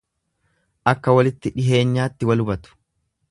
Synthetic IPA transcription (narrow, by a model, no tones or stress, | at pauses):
ʔɐkːɐwɐlɪt̪ːɪᶑɪɦe̞ːɲːaːt̪ːɪwɐlʊbɐt̪ʊ̥